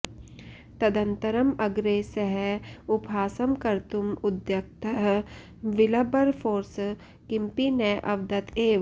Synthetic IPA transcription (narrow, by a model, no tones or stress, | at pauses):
t̪ɐd̪ɐ̃nt̪ɐɾɐmɐɡɾeːsɐɦɛʊpaːsɐmkɐɾt̪umʊd̪jɐk̚t̪ɐɦ | ʋɪlɐbɐɾpʰoːɾs | kɪmpinɛʔɐʋd̪ɐt̪eːʋ